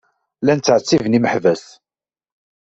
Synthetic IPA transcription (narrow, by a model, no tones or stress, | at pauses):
lænt͡sːʕət͡sːivniməħvæs